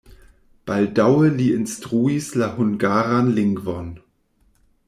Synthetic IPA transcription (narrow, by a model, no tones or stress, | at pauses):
b̥aldaʊəliːɪnstʁ̥uislahʊnɡaːʁanlɪŋɡvɔn